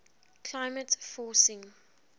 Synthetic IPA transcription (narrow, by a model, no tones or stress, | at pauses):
kʰlaɪmətfɔːsɪ̃ŋ